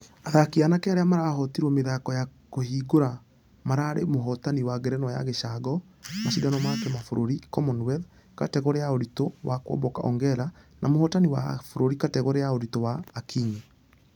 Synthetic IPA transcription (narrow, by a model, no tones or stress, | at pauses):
aðakianakɛaɾeamaɾaɦɔtiɾwɔmeðakɔjakoɦiɡoɾa | maɾaːɾemoɦɔtaniwaɡɛɾɛnɔja̰ɣeʃaɡɔ | maɕidanɔmakɛmafoɾʔoɾikɔmɔnwɛð | katɛɣɔɾejaoɾitowakwɔ̰mbɔka̰ʔɔ̰ŋɡɛɾanʔamohɔtaniwa̰foɾoɾikatɛɣɔɾeaoɾitowaːkiɲi